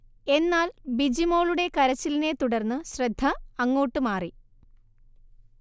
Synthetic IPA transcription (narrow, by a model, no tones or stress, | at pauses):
e̞nːaːlbid͡ʑimo̞ːɭuɽe̞kɐɾɐt͡ɕːiline̞t̪uɽɐrnːɨɕrɐd̪ʱːɐːŋːoːʈːɨmaːri